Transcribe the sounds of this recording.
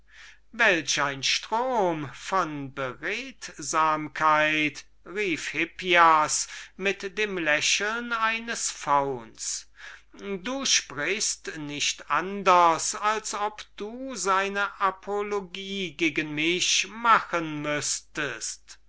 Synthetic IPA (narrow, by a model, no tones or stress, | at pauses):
vɛlɕaɪnʃtʁ̥oːmfɔnbəʁɛːtzaːmkʰaɪt | ʁiːfhɪpiasmɪtd̥eːmlɛʃl̩naɪnəsfaʊns | duːʃpʁɪçstnɪʃtʔandɐsalsɔpd̥uːzaɪnəʔapʰoloɡiːɡeːɡənmɪʃmaxənmʏstəst